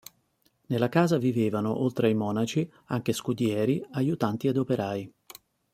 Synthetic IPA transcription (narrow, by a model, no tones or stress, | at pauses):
nelːakaːzaviveːvano̰ʔolt̪ɾeajmɔːnat͡ʃi | aŋk̟eskud̪jɛːɾiajut̪ant̪iad̪opeɾʔaːj